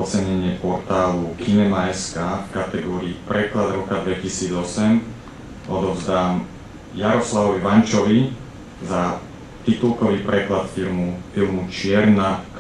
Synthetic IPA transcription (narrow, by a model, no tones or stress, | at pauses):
ɔt͡sɛɲɛɲɪɛpɔɾt̪aːlukiɲɛmaɛskaːfkat̪ɛɡɔːɾiːpɾɛklad̪ɾɔkad̪ʋɛcisiːd͡zɔsɛm | ɔd̪ɔzd̪aːm | jaɾɔslaʋɔʋiʋant͡ʃɔʋi | za | t̪it̪ulˠkɔʋiːpɾɛklat̪filmufilmut͡ʃɪɛɾnak